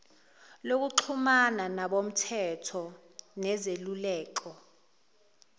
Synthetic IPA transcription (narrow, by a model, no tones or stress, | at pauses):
lok̬uǃʰumananaɓom̩tʰɛtʰɔ | nɛzelulɛːkɔ